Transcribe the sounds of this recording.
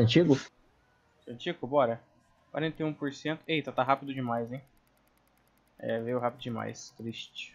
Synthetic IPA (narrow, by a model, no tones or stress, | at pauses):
ɐ̃t͡ʃiɡʊ | sɐ̃t͡ʃiɡʊbɔɾɐ | kwa̰ɾẽnt̪eũpoɾsẽnt̪ʊejt̪at̪aɦapid̪ʊd͡ʒɪmajzẽj̃ | ɛ̰vejʊɦapɪd̪ʊd͡ʒɪma̰jst̪ɾiʃt͡ʃɪ̥